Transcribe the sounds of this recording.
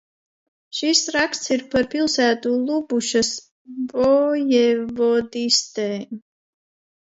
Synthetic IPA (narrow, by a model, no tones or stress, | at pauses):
ʃisɾakt̪sʰiɾpʰaɾpʰilˠsæːt̪ʼulˠubuʃɐs | bʼɔjɛvɔd̪ist̪ʼɛ